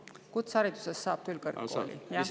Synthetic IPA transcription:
kut̪sɑɾid̪u̥sesːɑːb̥̚kylkɤrkːo̰ːlḭjɑ

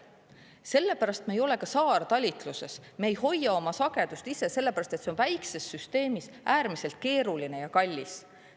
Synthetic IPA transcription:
se̞lːe̞pæɾɑst̪̚meːjo̞le̞kɑsɑːrt̪ɑlʲit̪ˑluse̞̰smeːjho̞jːɑo̞mɑsɑɡ̥e̞d̪̥ust̪ise̞se̞lːepæɾɑst̪e̞t̪se̞o̞nvæjkse̞sːyst̪e̞ːmis | ʔæːɾmise̞lt̪̚ke̞ːɾuline̞jɑkɑlʲːis

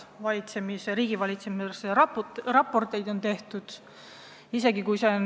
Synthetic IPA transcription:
vɑlʲit̪se̞miseɾiːɡ̥ivɑlʲit̪semiseserɑpːˑo̞rt̪ˑe̞jd̪o̞nt̪e̞ht̪ud̪̥ | ise̞ɡikujsen

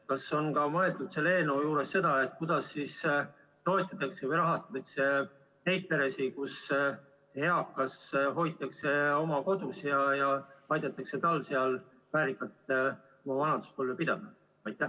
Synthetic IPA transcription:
kɑso̞nkɑmɤe̞ld̪ut̪se̞le̞ːnujuːɾesːe̞d̪̥ɑe̞t̪̚ːˑkud̪̥ɑsːiːs | t̪o̞et̪ʲːˑɑt̪ːˑɑksevɤjɾɑɦɑst̪ɑ̥t̪ːˑɑkse̞ | he̞jt̪̚pe̞ɾe̞sikus | sehe̞ɑkːɑsɦo̞jt̪ːˑɑkse̞o̞mɑko̞d̪̥usjɑjɑɑjd̪ɑt̪ːˑɑkse̞t̪ɑlːseɑl | væːɾikːˑɑt̪ | omɑvɑnɑd̪̥u̥spoljopid̪̥ɑd̪̥ɑ | ɑjt̪ːˑæ

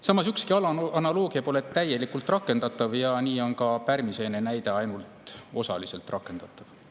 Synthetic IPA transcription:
sɑmːɑsykskiɑlɑɑnɑloːɡ̥iɑpo̞le̞t̪ːæje̞likult̪ˑrɑkːˑe̞nd̪̥ɑt̪ːˑɑvjɑniːo̞nkɑpærmise̞ne̞næjd̪̥e̞ɑjnult̪o̞sɑ̰lise̞lt̪rʔɑkːˑe̞nd̪̥ɑt̪ˑːɑv̥

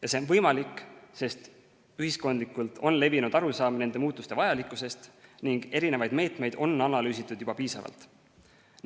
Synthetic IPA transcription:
jɑse̞onvɤjmɑlikːˑse̞st̪ | yɦisko̞nd̪likːˑult̪o̞nle̞vinud̪̥ɑɾusɑːmne̞nd̪̥e̞muːt̪ːˑust̪e̞vɑjɑlikːˑuse̞st̪niŋɡ̥e̞ɾine̞vɑjd̪̥me̞ːt̪me̞jd̪̥o̞nːɑnɑlyːsit̪ːˑud̪̥jub̥ɑpiːsɑ̰vɑ̰lt̪ˑ

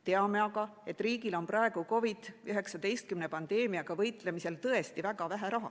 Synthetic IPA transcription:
t̪e̞ɑme̞ɑɡɑe̞t̪ːˑriːɡilo̞nprɑe̞ɡ̥uko̞vid̪̥yɦe̞ksɑd̪̥e̞jst̪̚kymne̞pɑnd̪̥e̞ːmiɑɡ̥ɑvɤjt̪le̞mise̞lt̪ɤe̞st̪ivæɡ̥ɑvæɦæɾɑɦɑ̰

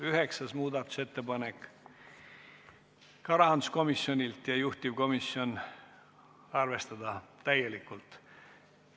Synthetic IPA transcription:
yɦeksɑsmuːd̪ɑt̪ːu̥se̞t̪ːe̞pɑnek | kɑɾɑɑnd̪usko̞misjo̞nʲilt̪jɑjuht̪ivko̞misjo̞n | ɑrve̞st̪ɑd̪̥ɑt̪æjelikːˑult̪

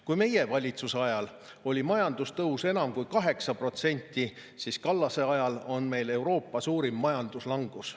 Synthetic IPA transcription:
kujme̞je̞vɑlʲit̪suseɑjɑl | o̞lʲimɑjɑnd̪̥ust̪ɤuse̞nɑmkujkɑɦe̞ksɑpro̞t̪se̞nʲt̪ʲːˑi | siskɑlːɑse̞ɑjɑlo̞nme̞jle̞wɾo̞ːpːɑsuːɾimːɑjɑnd̪̥uslɑŋɡ̥us

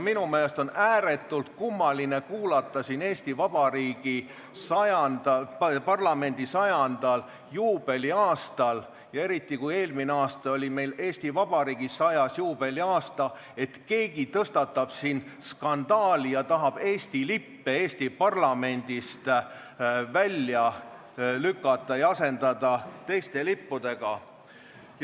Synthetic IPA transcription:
minumeːlest̪o̞næːɾe̞t̪ːˑult̪̚kumːɑline̞kuːlɑt̪ːˑɑsiːne̞ːst̪ivɑb̥ɑɾiːɡ̥i | sɑjɑnd̪ɑpɑrlɑme̞nʲd̪̥isɑjɑnd̪̥ɑl | juːb̥e̞lʲiɑːst̪ɑl | jɑe̞ɾit̪ːˑikuje̞ːlmineɑːst̪ɑo̞lʲime̞jle̞ːsʲt̪ivɑb̥ɑɾiːɡ̥isɑjɑsjuːb̥e̞lʲiɑːst̪ɑ | e̞t̪ke̞ːɡit̪ɤst̪ɑt̪ːˑɑb̥sinskɑnd̪̥ɑːlijɑt̪ɑɦɑb̥e̞ːst̪ilipːee̞ːsʲt̪ipɑrlɑme̞nʲd̪ist̪ | vælʲjɑ | lykːˑɑt̪ˑːɑjɑɑse̞nd̪̥ɑd̪̥ɑt̪e̞jst̪e̞lipːud̪̥e̞ɡ̥ɑ

